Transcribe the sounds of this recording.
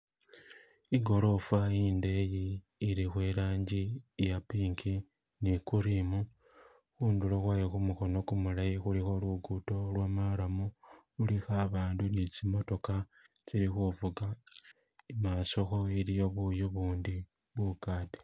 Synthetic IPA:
iɡo̞ɾo̞faiːnde̞jiː | ɾixweɾaːɲɟijapiːŋkʰi | nikuɾimu | xuːnduloxwajexumuxo̞no̞kumulajixulixo̞luɡuto̞lwaːmaɾamu | ulixaβaːndunit͡simo̞to̞ka | t͡siɾixuvuɡa | imaːso̞xo̞iɾijo̞βujoβuːndi | βwukaːte̥

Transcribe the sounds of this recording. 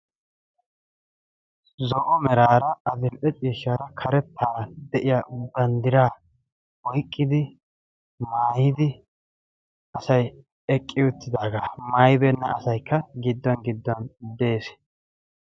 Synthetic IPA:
zɔʔɔmɛɾaːɾɐɐd̪ɪmpʼɛt͡sʼiːʃaːɾɐkʰɐɾɛt̪ʰːaːɾɐd̪ɛʔɪjab̪ɐnd̪ɪɾaː | wɔjkʼːɪd̪ɪ | maːjɪd̪ɪ | ʔɐsɐj | ɛkʼːɪʊt̪ːɪd̪aːɡaːmɐjbɛnːɐʔɐsɐjkːɐɡɪd̪ːɔnɡɪd̪ːɔnd̪e̞ːs

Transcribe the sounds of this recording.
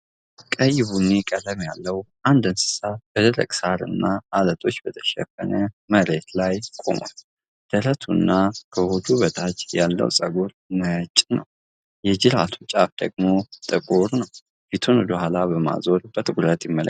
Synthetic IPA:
kʼəjɪβunːekʼələmjalːəwʔand̪ɨnsɨ̥sab̥əd̪əɾə̰kʼsaɾɨ̰nːaːlət̪ʰʼo̞t͡ʃːbət̪ʰə̥ʃɛ̰fə̰nə | məɾe̞t̪lajkʼo̞̰mo̰n | d̪̥əɾət̪ʰunːakʰəhod̪uβət̪ʰʼat͡ʃʼjalːə̰wsʼəɡuɾnət͡ʃʼnə̰w | jɛd͡ʒɪɾat̪ʰut͡ʃʼafd̪əɡmo̞t̪ʼɨkʼuɾnəw | bit̪ʰond̪əhʷalabəma̰zo̞ɾb̥ət̪ʼɨkʼuɾət̪jɪmːələ̰k

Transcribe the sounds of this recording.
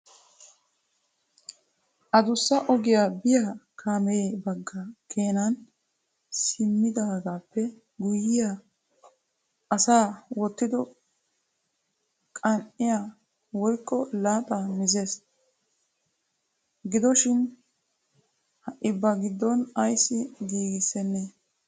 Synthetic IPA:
ʔɐd̪ʊsːɐʔɔɡɪjaːbɪjakʰaːmɛeːbɐɡːɐkʰe̞ːnɐn | sɪmːɪd̪aːɡaːpːɛ | ɡʊjːɪja | ɐsaːwɔt̪ːɪd̪ɔ | kʼɐnʔɪjaː | wɔjkːɔlaːt̪ʼamɪzeːs | ɡɪd̪ɔʃɪn | hɐʔɪbːɐɡɪd̪ːɔnɐjsːɪɡiːɡɪsːɛnːɛ

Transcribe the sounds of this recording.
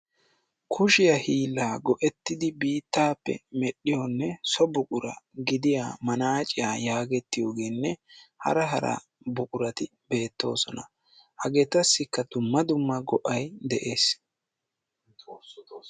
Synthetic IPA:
kʰʊʃɪjɐhiːlːaːɡɔʔɛt̪ːɪd̪ɪbiːt̪ːaːpːɛ̰mɛɗːɪjɔnːɛsɔbʊkʼʊɾɐ̰ɡɪd̪ɪja̰ːmɐnaːt͡ʃʼɪjaːjaːɡɛt̪ːɪjo̞ːɡeːnːɛhɐ̰ɾɐɦɐɾɐ̰ | bʊkʼʊɾɐt̪ɪ | be̞ːt̪ːo̞̰ːsɔnɐ | hɐɡeːt̪ɐsːɪkːɐd̪ʊmːɐd̪ʊmːɐɡɔʔɐjd̪ɛʔe̞ːs

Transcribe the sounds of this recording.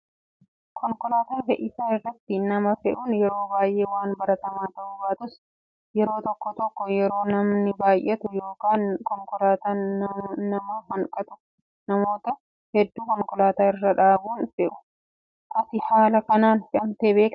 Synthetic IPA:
kʰɔŋkɔlaːt̪aːfɛʔɪsaːɪrːɐt̪ːɪnɐmɐfɛᶑuːnjɛɾo̞ːbaːjʔeːwaːnbɐɾɐt̪ɐmaːt̪ɐʔʊbaːt̪ʊs | jɛɾo̞ːt̪ɔkːɔt̪ɔkːɔjɛɾo̞ːnɐmnɪbaːjʔɛt̪ʊjo̞ːkaːnkɔŋkɔlaːt̪aː | ɐmɐɦɐŋkʼɐt̪ʊ | nɐmo̞ːt̪ɐ | hɛd̪ːuːkɔŋkɔlaːt̪aːɪrːɐᶑaːbuːnfɪʔʊ̥ | ʔɐt̪ɪhaːlɐkɐnaːnfɪʔɐmt̪eːbe̞ːk

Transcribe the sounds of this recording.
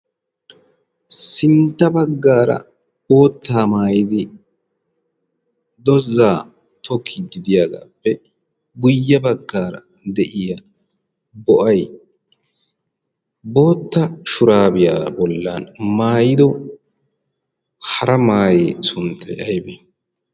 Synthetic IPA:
sɪnt̪ːɐbɐɡːaːɾɐ̰ | bo̞ːt̪ːaːmaːjɪd̪ɪ | d̪ɔzːaː | t̪ʰɔkʰːɪd̪ɪd̪ɪjaɡa̰ːpːɛ | ɡʊjːɐbɐɡːaːɾɐ̰ | d̪ɛʔɪja | bɔʔɐj | bo̞ːt̪ːɐʃʊɾaːbɪjaːbɔlːa̰nmaːjɪd̪ɔ | hɐɾɐmaːjeːsʊnt̪ʰːɛɐjbɛ

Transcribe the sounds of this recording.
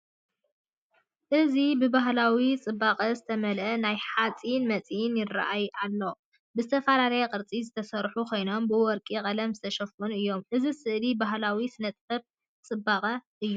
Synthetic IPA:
ʔɨzibɨbaɦlawit͡sʼɨbːaqʼɐzɨt̪ʰɐmɐlʔɐnajħat͡sʼinmɐt͡sʼjɪnjɪra̰ʔajʔalːo̞ | bɨzɨt̪ʰɐfalalɐjɛqʼɨɾt͡sʼizɨt̪ʰɐsɐɾħukʰo̞jno̞mbɨwɔɾkʼikʼɐlɐmzɨt̪ʰɐʃɐfunɨjːo̞mʔɨzisɨʔlibaɦlawisɨnɐt̪ʼfɐb̚ | t͡sʼɨbːaqʼɐʔɨjːu

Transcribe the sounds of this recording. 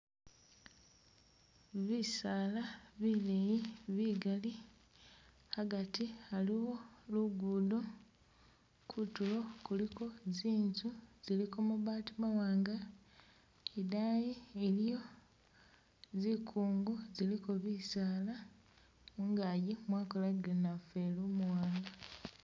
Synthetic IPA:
βisaːlaβilejiβiːɡali | haɡatihaliwo̞luɡuːdo | kʰutulo̞kulikʰo̞ziːnzuz̥ilikomuβaːtimawaːŋɡa | edaːjielijo̞ | zikʰuːŋɡozilikoβisaːla | uŋɡajimwaːkolaɡlenafelumuwaːŋɡa

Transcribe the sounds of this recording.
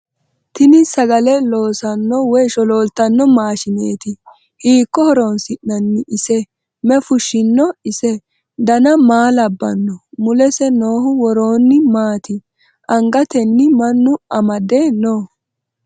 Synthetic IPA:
t̪ɪnɪsɐɡɐlɛlo̞ːsɐnːɔwɔjʃɔlo̞ːlt̪ːɐnːɔmaːʃɪneːt̪ɪ | hiːkːɔhɔɾoːnsɪnːɐnːɪɪsɛ | mɛfʊʃːɪnːɔɪsɛ | d̪ɐnɐmaːlɐbːɐnːɔmʊlɛsɛnoːɦʊwɔɾoːnːɪmaːt̪ɪ | ʔɐŋɡɐt̪ɛnːɪmɐnːʊɐmɐd̪enoː

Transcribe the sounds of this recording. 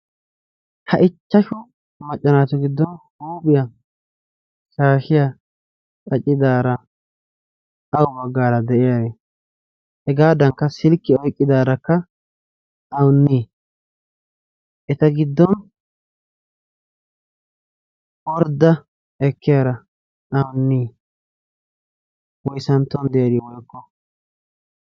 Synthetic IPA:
hɐʔɪt͡ʃːɐʃʊ | mɐt͡ʃʼːɐnaːt̪ʊɡɪd̪ːɔnhuːbʼɪjɐ | ʃaːʃɪja | kʼɐt͡ʃʼːɪd̪aːɾɐ | ʔɐwʊbɐɡːaːɾɐd̪ɛʔɪjaːɾeː | hɛɡaːd̪ɐŋkːɐsɪlkːɪɔjkʼːɪd̪aːɾɐkːɐ | ʔɐwʊnːiː | ʔɛt̪ɐɡɪd̪ːɔn | wɔɾd̪ːɐ | ɛkːɪjaːɾɐ | ʔɐwʊnːiː | wɔjsɐnt̪ːɔnd̪ɛjɐd̪ɪjwɔjkːɔ

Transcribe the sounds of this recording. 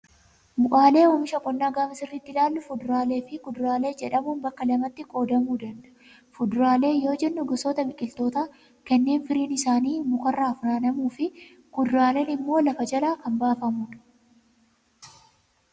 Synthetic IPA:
mʊʔʼaːle̞ːɔːmɪʃɐkʼɔnːaːɡaːmɐsɪrːɪt̪ːɪlaːlːʊfʊd̪ʊɾaːle̞ːfɪkʊd̪ʊɾaːle̞ːd͡ʒɛᶑɐmuːnbɐkːɐlɐmɐt̪ːɪkʼo̞ːd̪ɐmuːd̪ɐnd̪ɐ̥ʔ | fʊd̪ɾaːle̞ːjo̞ːd͡ʒɛnːʊɡɐsoːt̪ɐbɪkʼːɪlt̪o̞ːt̪aː | kɐnːe̞ːnfɪɾiːnɪsaːniːmʊkʼɐrːaːfʊɾaːnɐmuːfɪ | kʊd̪ʊɾaːle̞ːnɪmːo̞ːlɐfɐd͡ʒɐlaːkɐmbaːfɐmʊᶑɐ̥

